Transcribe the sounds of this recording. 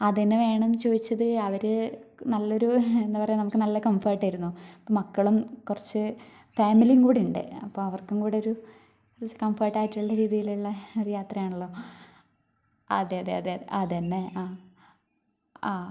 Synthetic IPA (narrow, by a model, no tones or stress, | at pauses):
ɐðɐnːeʋe̞ːɳɐmt͡ɕo̞ːðit͡ɕːɐðɨɐʋɐɾɨnɐlːo̞ɾuend̪ːɐpɐrɐjnɐmukːɨnɐlːɐkɐmfeːʈːaːjiɾunːuɐpːoːmɐkːɐɭumkurɐt͡ɕːɨ | faːmilijuŋkuːɽiuɳɖɨ̰ɐpːoːɐʋɐrkuŋkuːɽeoɾu | kurɐt͡ɕːɨ̥kɐmfeːʈːaːjiʈːiuɭːɐɾiːðijiluɭːɐoɾujaːt̪rɐjaːɳuɭːo̞ː | ɐ̰d̪eɐðeɐd̪eeaðɐnːea